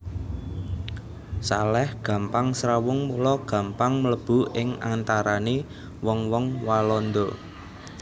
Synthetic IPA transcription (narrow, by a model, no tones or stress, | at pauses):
salɛhɡ̥ä̤mpaŋsɾawʊŋmulɔɡ̥ä̤mpaŋmələb̥ṳʔɪŋant̪aɾane | wɔŋwɔŋwalɔnd̪o